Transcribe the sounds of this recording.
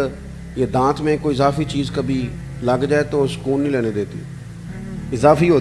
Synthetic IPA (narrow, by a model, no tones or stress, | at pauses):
jeːd̪ãːt̪mẽːkoːiɪzaːfiːt͡ʃiːzkəbʱiː | ləɡd͡ʒaːet̪oːsə̥kuːnːĩlɛːned̪eːt̪ḭː | ɪzaːfiːɦoː